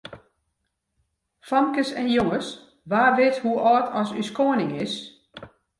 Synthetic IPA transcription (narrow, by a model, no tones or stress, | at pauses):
fɔmkəsɛnjoŋəs | ʋaːʋɪthuʔɔːtʰɔsyskoənɪŋɪs